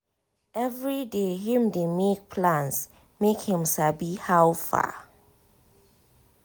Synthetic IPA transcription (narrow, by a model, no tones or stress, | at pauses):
ɛvɹideɦĩmdemek̚pʰlãns | mekhĩmsabihawfa̰